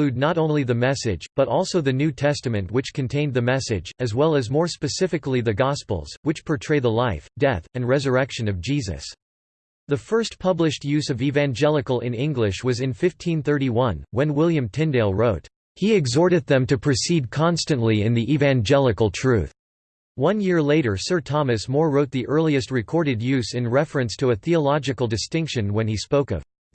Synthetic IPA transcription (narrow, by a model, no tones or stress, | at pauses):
lʉdⁿnəɾõʊ̃nliðɨmɛsɪ̰d͡ʒb̥ʌɾɔlˠsoʊðɨnʉtʰɛstɨmɨ̃nʔwɨt͡ʃkʰɨ̃ntʰẽɪ̃nðɨmɛsɪ̰d͡ʒɨzwɛlˠɨzmɔɹspɨsɪfɨkliðɨɡɑspl̩ˠz̥wɨt͡ʃpʰə˞tʰɹ̥eɪdðəlaɪfd̥ɛθɨ̃nɹɛzə˞ɛkʃɨ̃nʌvd͡ʒizɨ̰s | ðɨfɜ˞stpʰʌblɨʃt̚jʉzʌvivæ̃nd͡ʒɛlˠəkl̩ˠɪ̃nɪ̃ŋɡlɪʃwʌzɨ̃nfɪftʰĩnθɜ˞ɾiwʌ̃nwɨ̃nwɪlˠjɨ̃mtʰɪ̃ndeɪlˠɹoʊt̚ | hiɨɡzɔɹɾɨd̪̚ðɨ̃mtɨpʰɹ̥ɨsid̚kʰɑ̃nstɨ̃nʔliɪ̃nðiʔivæ̃nd͡ʒɛlˠɨkl̩ˠtʰɹ̥ʉθ | wʌ̃njɪɹleɪɾə˞sɜ˞tʰɑmɨsmɔɹɹoʊt̪̚ðiʔɜ˞lˠiɨst̚ɹɨkʰɔɹɾɨdjʉzɨ̃nɹɛfɹɨ̃nstʰəɨθiəlɑd͡ʒɨkl̩ˠdɨstɪ̃ŋkʃɨ̃nwɨ̃nispoʊkʌ̰v̥